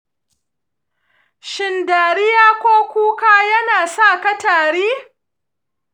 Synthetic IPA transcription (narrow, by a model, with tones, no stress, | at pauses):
ʃɪ˨ndaː˨ɾɪ˦jaː˦kʷoː˦kʷuː˦kaː˦jɐ˦naː˨sa˦˨kɐ˦taː˨ɽiː˦